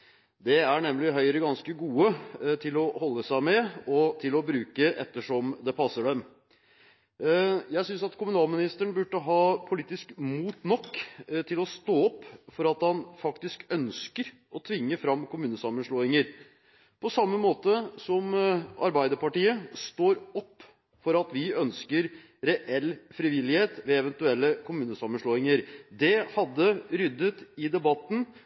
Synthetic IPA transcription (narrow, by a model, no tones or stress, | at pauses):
d̪ɛæɳɛmlɪɦœʏɾəɡɑnskəɡuːət̪ʰɪlɔhɔlːəsæɪmɛɔt̪ʰɪlɔbɾʉːkəʔɛ̰t̪ːəʂɔmd̪ɛpʰɑsːəɖɛm | jæɪsʏnsɑt̪kʰʊmʉnɑːlmɪnɪst̪əəɳ̩bʉʈːəɦɑːpʰʊliːt̪ɪskmuːt̪nɔkːt̪ʰɪlɔst̪oːɔpːfɔɾɑt̪hɑnfɑkt̪ɪskœnskəɾ | ʔɔt̪ʰʋɪŋːəfɾɑmːkʊmʉːnəsɑmːənʂɭoːɪŋəɾ | pʰɔsɑmːəmoːt̪əsɔmʔɑ̰ɾbæɪd̪əɾpɑʈiːəst̪oːɾɔpː | fɔɾɑt̪ʋɪœnskəɾ | ɾɛʔɛlfɾɪʋɪlːɪheːt̪ʋɛɛʋɛnt̪ʉɛlːəkʰʊmʉːnəsɑmːənʂɭoːɪŋəɾd̪ɛhɑd̪ːəɾʏd̪ːət̪ɪd̪ɛbɑt̪ːn̩